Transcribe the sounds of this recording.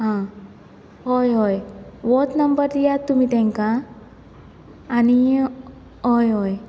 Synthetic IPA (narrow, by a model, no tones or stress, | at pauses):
ɦã | ɦɔjɦɔjʋɔt̪nəmbəɾd̪ijat̪ːumit̪ɛ̃ŋka | ni | ɦɔjɦɔj